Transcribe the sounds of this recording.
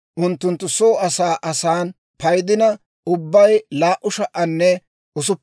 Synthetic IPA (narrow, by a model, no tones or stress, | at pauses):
ʔʊnt̪ːʊnt̪ːʊsoːɐsaːʔɐsaːn | pɐjd̪ɪnɐ | ʊbːɐjlaːʔʊʃɐʔɐnːɛ | ʔʊs̬ʊpː